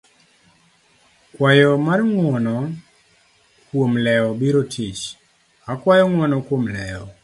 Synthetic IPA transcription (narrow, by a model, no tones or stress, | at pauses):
kwajɔmarŋwɔnɔ | kwomlɛɔbiɾotʰit͡ʃ | akwajɔŋwɔnɔkwomlɛɔ